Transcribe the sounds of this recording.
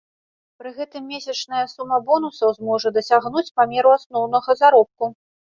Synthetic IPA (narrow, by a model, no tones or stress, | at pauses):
pɾɨɣɛt̪ɨmːʲesʲɐt͡ʂnɐjɐsumːɐbɔnusɐwzmɔʐɐd̪ɐsʲaɣnut͡sʲpamʲɛɾuasnɔwnɐɣɐzaɾɔp̚ku